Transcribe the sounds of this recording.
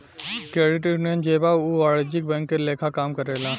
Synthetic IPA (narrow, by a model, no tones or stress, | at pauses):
kɾeːɖɪʈinẽnd͡ʒeːbauʋaːɭd͡ʒɪk̚bɛ̃ŋkːeleːkʰakaːmkəɾeːlãː